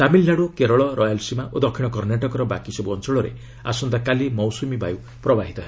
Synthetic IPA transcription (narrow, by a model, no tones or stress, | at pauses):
t̪amilnaɽokeɾɔɭɔɾʔɔjalsimaʔod̪ʌkʰːiɽ̃ʌkʌrneʈɔkɔɾɔbakisʌbuɔnsɔɭoɾḛ | a̰sund̪akalimɔwsumibʱa̰ju | prʌbaɦit̪ɔɦe